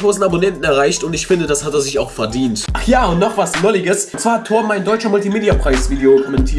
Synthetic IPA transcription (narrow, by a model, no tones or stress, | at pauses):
ʁoːsn̩abonɛntn̩ɛɐʁ̞aɪçtʊntɪçfɪndədashateːɐzɪçaʊxfɛɐdiːntjaːʊntnɔχv̥asnɔlɪɡəst͡sv̥aːtʰoːɐmaɪndɔʏt͡ʃɐmʊltimeːdiapʁ̥aɪsv̥iːdeokʰɔmɛntʰiː